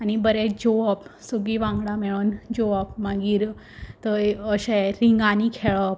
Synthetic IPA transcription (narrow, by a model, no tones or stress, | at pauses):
anibəɾed͡ʑoəpsuɡiʋãŋɡɽamɛɭond͡ʑoəpmãɡiːɾ | t̪əəɕeɾiŋɡanikʰeɭəp̚